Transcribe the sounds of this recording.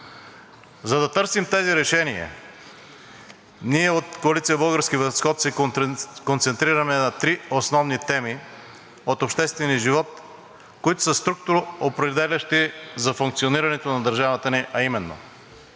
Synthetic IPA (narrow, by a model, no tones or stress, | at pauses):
zɐd̪ɐt̪ɤɾsimt̪ɛziɾɛʃɛniɐ̰ | niɛot̪koɐlit̪sijəbɤlˠɡəɾsk̟ivəsxɔt̪sɛ | kont̪sɛnt̪ɾiɾɐmɛnɐt̪ɾiosnɔvnit̪ɛmi | ot̪opʃt̪ɛst̪vɛniəʒivɔt̪ | koit̪ʊ̥sɐst̪ɾuk̚t̪ʊɾoopɾɛd̪ɛlʲɐʃt̪izɐfuŋkt̪sioniɾɐnɛt̪onɐd̪ɐɾʒavɐt̪əniʔɐimɛnːo̰